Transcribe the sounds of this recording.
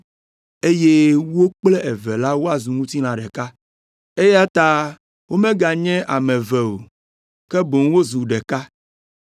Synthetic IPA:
e˦je˦wo˦k͡plɛ˦ʔɛ˨vɛ˨la˦wo˦a˨zu˨ŋũ˦t̪i˦lã˨ɖɛ˨ka˦ | e˦ja˦t̪a˦ | wʔo˦mɛ̃˦ɡa˨ɲɛ̃˦ʔa˨mɛ̃˨vɛ˨o˨ | kɛ˦bo˨ŋ˦wo˦zu˨ɖɛ˨ka˦

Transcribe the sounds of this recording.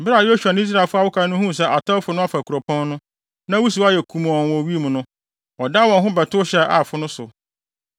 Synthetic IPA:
m̩˨bɪ˦ɾa˨jo˦ɕᶣu˨a˨ñ˦i˦s̬ɾa˦˨fʊ˦a˦˨wʊ˦kʰa˦nʊ̃˦hũ˦˨s̬ɛ˦ʔa˨tʰɔ˦fʊ˨nʊ̃˦a˦fa˨kʰu˨ɾɔ˨pʰɔ̃˦nnʊ̃˦ | nã˦wu˦s̬u˨˦a˦jɛ˨kʰu˨m˨ɔ̃˨wɔ̃˨wi˦mʊ̃˨nʊ̃˦ | ɔ˨da˦wɔ̃˨nɦʊ̃˦bɛ˨tʰʊ˦ɕɛ˦ʔa˨fʊ˦nʊ̃˦sʊ̰˨

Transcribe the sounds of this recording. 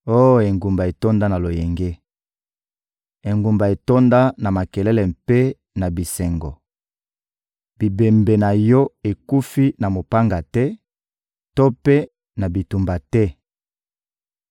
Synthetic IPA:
o˦jo˨e˨ŋɡu˨mba˨e˨to˦nda˦na˨lo˨jɛ˨ŋɡe˦ | e˨ŋɡu˨mba˨e˨to˦nda˦na˨ma˨kɛ˨lɛ˦lɛ˨mpe˦ | na˨bi˨sɛ˨ŋɡɔ˨ | b̥i˨be˨mbe˨na˨jɔ˦e˨ku˦fi˦na˨mo˨pa˦ŋɡa˨tɛ˦ | to˦pe˦ | na˨bi˨tu˨mba˨tɛ˦

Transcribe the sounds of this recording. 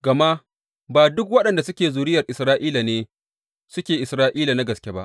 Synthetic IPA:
ɡ̥ɐ˨ma˦ | baː˨dʊ˦k̬wɐ˦ɗɐ˨nda˨sʊ˦kʲeː˨zuː˨ɾɪ˦jɐ˨rʔɪ˨sɾaː˦ʔiː˦la˨neː˦ | sʊ˦kʲeː˨ʔɪ˨sɾaː˦ʔiː˦la˨na˦ɡɐ˨skʲe˦ba̰˦ʔ

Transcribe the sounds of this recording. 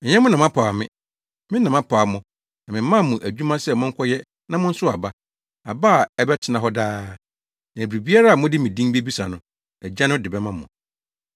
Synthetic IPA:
ɛ˨ɲɛ̃˦mʊ̃˦nã˨mã˦pʰa˨mɪ̃˦ | mɪ̃˦nã˨mã˦pʰaː˨mʊ̃˦ | nã˨mɪ̃˨˦ã˦˨mʊ̃˨ʔæ˨d͡ʑᶣu˦mã˦sɛ˨mʊ̃˦ŋ̩˦kʰʷɔ˦jɛ˦ | nã˦mʊ̃˦n̩˦sʊ˦a˨ba˦ | a˨ba˦˨ɛ˦bɛ˦tʰɪ˨nã˨ɦɔ˦daː˦ | nã˨bɾi˨bi˦a˦ɾa˦a˨mʊ̃˦dɪ˦mɪ̃˨dĩ˦ŋbi˦bi˦sa˨nʊ̃˨ | ɛ˨d͡ʑã˦nʊ̃˦dɪ˨bɛ˦mã˦mʊ̃˨

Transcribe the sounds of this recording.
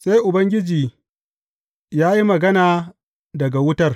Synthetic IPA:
sa˦jʔʊ˨bɐ˦ŋɡʲɪ˦d͡ʒiː˨ | jaː˦ji˦mɐ˨ɡɐ˦naː˨ | dɐ˨ɡa˨wʊ˦tɐ˦r

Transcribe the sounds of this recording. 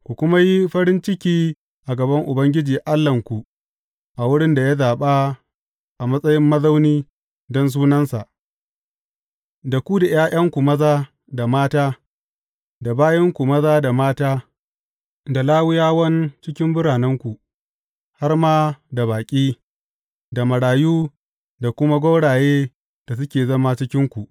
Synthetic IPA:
kʷu˨kʷʊ˦ma˦ji˦ɸɐ˦ɾɪ˦nt͡ʃɪ˦kʲiː˦ | ʔa˨ɡɐ˨bɐ˦ŋʔʊ˨bɐ˦ŋɡʲɪ˦d͡ʒiː˨ʔa˦lːɐ˨ŋkʷu˨ | ʔa˨wʊ˦ɽɪ˦nda˨ja˦zaː˨ɓa˦ | ʔa˨mɐ˦sʼɐ˦jɪ˦mːɐ˦zɐ˦wniː˦ | dɔ˦ns̬uː˦nɐ˦nsa̰˨ʔ | da˨kʷu˦da˨j̰aː˦ʔɐ˦ŋkʷu˨mɐ˦zaː˦ | da˨maː˦taː˦ | da˨baː˦jɐ˦ŋkʷu˨mɐ˦zaː˦da˨maː˦taː˦ | da˨laː˦wʊ˦jaː˦wɐ˦nt͡ʃɪ˦kʲɪ˦mbʊ˦ɽaː˨nɐ˦ŋkʷu˨ | ha˦rmaː˦da˨baː˨kʲʼiː˦ | da˨mɐ˨ɽaː˨juː˦ | da˨kʷʊ˦ma˦ɡʷo˦ɽaː˨jeː˦ | d̥a˨s̬ʊ˦kʲeː˨zɐ˦ma˦t͡ʃɪ˦kʲɪ˦ŋkʷu˨ʔ

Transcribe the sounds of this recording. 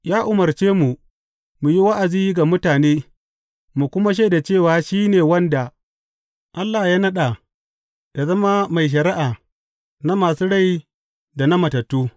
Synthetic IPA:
jaː˦ʔʊ˨mɐ˨rt͡ʃeː˦mu˨ | mu˨ji˦wa˦ʔa˨ziː˦jɡa˨mʊ˦taː˨neː˦ | mu˨kʷʊ˦ma˦ʃ̬a˦˨da˨t͡ʃeː˦˨waː˨ʃiː˦neː˨wɐ˦nda˨ | ʔa˦lːa˨jaː˦nɐ˦ɗa˨ | ja˨zɐ˦ma˦ma˨jʃ̬ɐ˨ɾɪ˦ʔaː˨ | na˦maː˨suː˦ɽa˦˨j | da˨na˦mɐ˨tɐ˨tːuː˦

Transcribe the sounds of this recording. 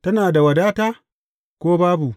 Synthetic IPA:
tɐ˦naː˨da˨wɐ˨daː˦taː˦ | kʷoː˦baː˦bu˨

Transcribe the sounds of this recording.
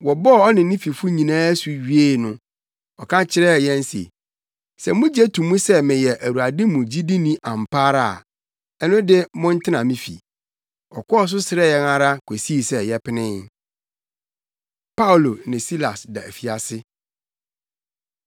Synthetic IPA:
wɔ˨bɔ˦˨ɔ˦nɪ̃˨nɪ̃˦fi˨fʊ˦ɲĩ˨nãː˦æ˦su˨ɥi˦e˦˨nʊ̃˦ | ɔ˨kʰã˦t͡ɕʰɪ˦ɾɛ˦˨jɛ̃˦n˦sḛ˨ | sɛ˨mʊ̃˦d͡ʑɛ˦tʰũ˨mũ˦sɛ˦mɪ̃˨jɛ˨ʔæ˨wu˨a˨dɪ̃˦mũ˨d͡ʑi˦di˦nĩ˦ʔã˨mpʰa˦ɾa̰˨ | ɛ˦nʊ̃˦dɪ˦mʊ̃˦n˦tʰɪ˦nã˨mĩ˦fḭ˨ | ɔ̰˨kʰʷɔ˦ɔ˦s̬ʊ˦sɪ˨˦ɾɛ˦jɛ˦na˦ɾa˦kʷʰe˨si˦˨sɛ˨jɛ˦pʰɪ˦nɪ̃˦ | pa˦˨lo˨nɪ̃˨si˦la˨sda˨æ˨fi˨a˨sɪ˦

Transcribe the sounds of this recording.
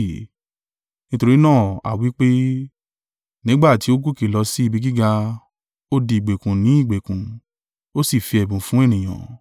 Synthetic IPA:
nĩ˦to˧ɾi˦nãː˦˨a̰˨wi˨˦k͡pe˦ | nĩ˨˦ɡ͡ba˦˨ti˧˦o˦ɡu˦˨ke˨lɔ˧si˦i˦˧bi˧ɡi˦ɡa˧ | o˦di˧˨i˨ɡ͡be˨kũ˨nĩ˨˦i˦˨ɡ͡be˨kũ˨ | o˦si˦˨fi˧ɛ˨bũ˨fũ˦ɛ˦˨nĩ˨j̃ã̰˨

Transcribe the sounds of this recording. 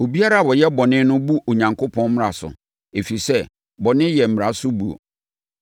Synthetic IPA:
o˨bi˦a˦ɾa˦˨wɔ˨jɛ˦bɔ˨nɪ̃˦nʊ̃˦bu˦o˨ɲã˨ŋkʰo˦pʰɔ̃˦n˦m˦ɾa˨sʊ̰˨ | e˨fi˨sɛ˦˨ | bɔ˨nɪ̃˦jɛ˨m̩˨m̃˨ɾa˨sʊ˦bu˨o̰˨

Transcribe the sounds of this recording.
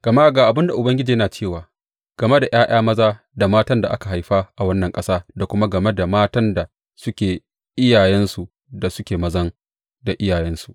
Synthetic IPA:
ɡ̥ɐ˨ma˦ʔɡaː˨ʔa˨bɪ˦nda˨ʔʊ˨bɐ˦ŋɡʲɪ˦d͡ʒiː˨jɐ˦naː˨t͡ʃeː˦˨waː˨ | ɡ̥ɐ˨me˦da˨j̰aː˦j̰aː˦mɐ˦zaː˦ | da˨maː˦tɐ˦nda˨ʔa˦ka˨ɦa˨jɸa˦ʔa˨wɐ˦nːɐ˨ŋkʼɐ˦saː˦da˨kʷʊ˦ma˦ɡɐ˨me˦da˨maː˦tɐ˦nda˨ | sʊ˦kʲeː˨ | ʔɪ˦jaː˨jɛ˦nsu˨ | da˨sʊ˦kʲeː˨mɐ˦zɐ˦ŋ | da˨ʔɪ˦jaː˨jɛ˦nsu̥˨ʔ

